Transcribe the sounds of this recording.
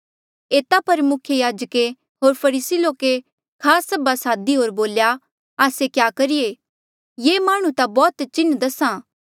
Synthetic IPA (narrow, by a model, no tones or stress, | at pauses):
eːt̪apɐɾmʊkʰjəjaːd͡ʒke | ɦoːɾpʰɐɾiːsiloːke | kʰaːsːɐbasaːd̪iɦoːɾboːlja | aːsekjaːkɐɾijeː | jeːmaːɽ̃ũt̪abɔːt̪t͡ʃɪnːd̪ɐsãː